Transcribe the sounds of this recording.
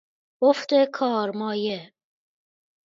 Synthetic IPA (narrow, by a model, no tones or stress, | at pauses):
oft̪ekʰɒːɾmɒːje